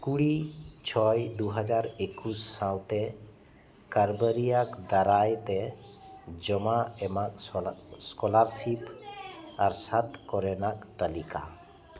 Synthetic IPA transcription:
kuɽit͡ʃʰɔjd̪uɦad͡ʒaɾekusːãwt̪ɛ | kaɾbəɾijakd̪aɾajt̪ɛ | d͡ʒɔmaɛmak̚skɔlaɾsip | aɾsat̪kɔɾɛnak̚t̪əlika̰

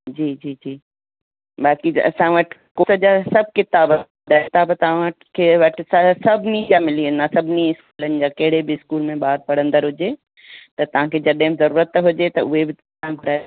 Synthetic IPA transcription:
d͡ʑiːd͡ʑiːd͡ʑiː | baːkiɐ̰sãʋɐʈʰɪ̥kosəd͡ʑaːsɐb̚ʱkɪt̪aːbɐ | d̪aːɪt̪aːbt̪ɐʋ̤ãɐʈkʰeʋɐʈʰɪsɐsɐbʱnid͡ʑaːmɪliɐnasɐbʱniɪskuːlənɪ̆d͡ʑaːkɐɦɪɽebɪɪskuːlmẽɓaːɾ̚pɐɽə̃nd̪əɾɦʊd͡ʑeː | t̪ɐt̪ɐʋ̤ãkʰed͡ʑɐɗɦɪ̃mzɐɾuːɾət̪ɦʊd͡ʑet̪ɐʊɦebɪt̪ | ãɡʱʊɾaː

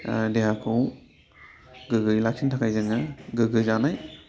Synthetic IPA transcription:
dejakʰow | ɡɯɡɯjlak̚sʰintʰakʰajzɯŋɯɡɯɡɯzanaj

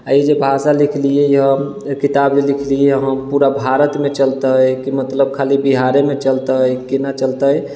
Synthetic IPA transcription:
aid͡ʒebʱasalikʰliejɦə | kit̪abd͡ʒelikʰlieɦəmpuɾabʱaɾət̪met͡ʃəlt̪əjkimət̪ləb̚kʰalibiɦaɾemet͡ʃəlt̪əjkinat͡ʃəlt̪əj

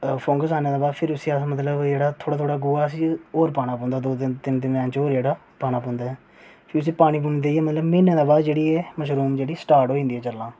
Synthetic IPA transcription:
pʰõːŋɡəsaːnẽːd̪aːbaːd̪pʰɪɾʊsiːamət̪ləbd͡ʒeːɽaːt̪ʰoːɽaːt̪ʰoːɽaːɡʊːaːsiːoːɾpaːnãːpɔ̃ːnd̪aːd̪oːt̪ɪnt̪ɪnt̪eːʋɛ̃ːt͡ʃoːɾd͡ʒeːɽaː | paːnaːpɔ̃ːnd̪aːɛː | pʰɪɾʊs̬iːpaːɽ̃iːpund̪eːiɛːmət̪ləbmɪːnẽːd̪aːbaːd̪d͡ʒeːɽiːeːməʃɾuːmd͡ʒeːɽiːsə̥ʈaːɾʈɦoːiɪ̃ːnd̪iːɦɛːt͡ʃəlːãː

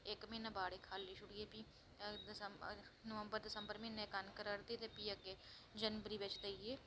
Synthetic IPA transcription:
ekmẽːnɐbaːɽekʰaːlːiʃʊɽiepi | d̪səmnəʋə̃mbəɾd̪ɐsəmbəɾmẽnekankəɾəɾd̪et̪epiːəɡe | d͡ʒənbɾibet͡ʃd̪əieː

